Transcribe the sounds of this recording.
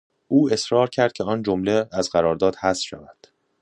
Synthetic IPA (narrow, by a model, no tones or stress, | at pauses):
ʔuːe̞sɾɒːɾcʰæɾd̪̚cʰeɒːnd͡ʒomleæzɢæɾɒːɾd̪ɒːd̪hæsfʃæ̰væd̪̥